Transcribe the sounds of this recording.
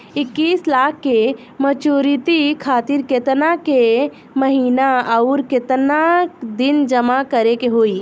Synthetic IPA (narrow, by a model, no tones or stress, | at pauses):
ɪkːiːslaːkʰːe | mət͡ʃuːɾit̪ikʰaːt̪iɾket̪nake | məɦiːnaɐʊɾket̪nakd̪ɪnd͡ʒəmakəɾekeɦoːiː